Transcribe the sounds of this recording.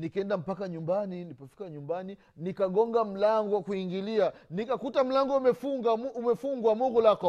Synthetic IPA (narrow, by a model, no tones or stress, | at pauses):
nikɛndam̩pakaɲumbaninipafi̥kaɲumbani | nikaɡɔŋɡam̩laŋɡɔwakuiŋɡilianikakutam̩laŋɡɔmɛfuŋɡamumɛfuŋɡwamɔɡɔlakɔ